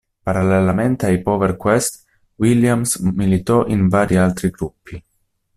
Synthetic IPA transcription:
paɾalːelament̪eajpɔːveɾkwest̪ | wiljamsmilit̪ɔʔinvaːɾialt̪ɾiɡɾupːi

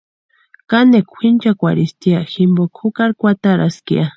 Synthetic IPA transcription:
kanekʷʰint͡ʃakʷaɾist̪iaʃimbokʰukaɾkʷat̪aɾaskḭa

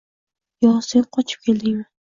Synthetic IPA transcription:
jɒsenqʰɒt͡ʃʰɪ̥p̚kʲʰe̞ld̪ɪŋman

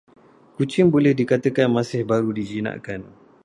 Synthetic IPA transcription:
kut͡ʃɪŋbolɛhdikat̪əkanmãsɪhbaɾudid͡ʒinã̰ʔkan

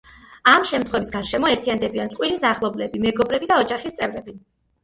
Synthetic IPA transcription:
amʃɛmt̪ʰχwɛvisɡaɾʃɛmɔɛɾt̪ʰiand̪ɛbiansʼqʼwilisaχlˠɔblɛbimɛɡɔbɾɛbid̪aɔd͡ʒaχist̪sʼɛvɾɛbi

